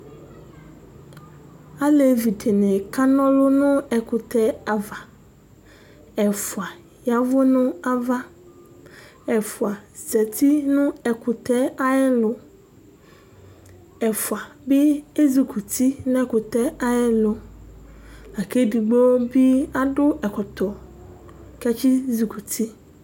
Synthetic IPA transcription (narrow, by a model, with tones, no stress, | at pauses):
a˦le˨vi˨de˨nẽ˨ka˦nɔ̃˦lʊ˦nʊ̃˦ɛ˨kʊ˨t̪ɛ˦a˨va˨ | ɛ˨fu˨a˨ | ja˨vo˦nʊ̃˦a˦va˦ | ɛ˨fu˨a˨zɛ˨t̪i˦nũ˦ɛ˨kʊ˨t̪ɛ˦a˦jɛ˦lʊ˦ | ɛ˨fu˨a˨be˦e˦zi˨ku˨t̪i˦nɛ˦kʊ˨t̪ɛ˦a˦jɛ˦lʊ˨ | la˨ke˦di˨ɡ͡bo˦bi˦a˦ɖʊ˦ɛ˨kʊ˨t̪ɔ˨ | kɛ˦t͡ʃi˦zi˨ku˨t̪ʰi˦